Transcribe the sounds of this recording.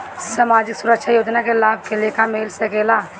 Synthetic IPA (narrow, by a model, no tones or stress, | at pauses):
saːmaːd͡ʒɪksʊɾəkʃʰajoːd͡ʒnakelaːb̚keleːkʰameːlsekeːlaː